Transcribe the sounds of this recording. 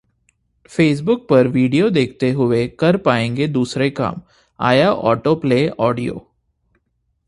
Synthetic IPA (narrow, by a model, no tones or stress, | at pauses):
feːs̬bʊk̚pɐɾʋiːɖijod̪eːk̚ʰt̪eɦʊekɐɾpaːẽːŋɡed̪uːsɾeka̰ːm | a̰ːjaʔɔ̰ːʈopleːɔːɖijo̰ː